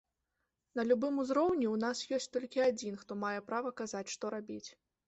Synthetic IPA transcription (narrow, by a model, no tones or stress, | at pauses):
nɐlʲubɨmuzɾɔwnʲiwn̪asjɔsʲtʲt͡sʲt̪ɔlʲkʲiad͡zʲinxt̪ɔmajɛpɾavɐkazat͡sʲʂt̪ɔɾabʲit͡sʲ